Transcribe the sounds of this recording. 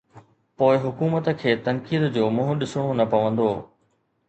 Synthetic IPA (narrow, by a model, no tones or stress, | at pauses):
poːɪɦʊkuːmət̪əkʰeːt̪ɐ̃ŋkiːd̪d͡ʑoːmʊ̃ɦʊ̃ɗɪsoɽ̃õnɐpɐʋə̃nd̪oː